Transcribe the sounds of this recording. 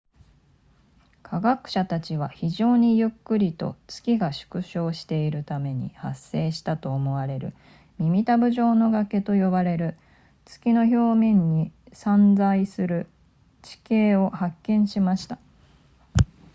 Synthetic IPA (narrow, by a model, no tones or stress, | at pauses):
kʰaɡakɯ̟̥ɕat̪at͡ɕiβ̞açiʑo̞ːɲ̟ijɯ̟kːɯ̟ɾʲit̪o̞̰t͡sɨ̥kʲiɡaɕɨ̥kɯ̟ɕo̞ːɕi̥t̪e̞iɾɯ̟t̪ame̞ɲ̟ḭha̰sːe̞ːɕi̥t̪at̪o̞ːmo̞βaɾe̞ɾɯ̟̰ | mʲimʲit̪abɯ̟ʑo̞ːno̞ɡake̞t̪o̞jo̞βaɾe̞ɾɯ̟ | t͡sɨ̥kʲino̞ço̞ːmẽ̞ɲ̟ːisãnd͡zaisɨɾɯ̟ | t͡ɕi̥ke̞ːo̞hakːẽ̞ɰ̃ɕimaɕi̥t̪ḁ